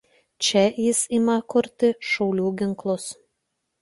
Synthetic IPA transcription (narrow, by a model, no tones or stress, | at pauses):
t͡ʃʲɛjɪsɪmɐkʊɾʲt̪ʲɪʃɒʊlʲuːɡʲɪŋklˠʊs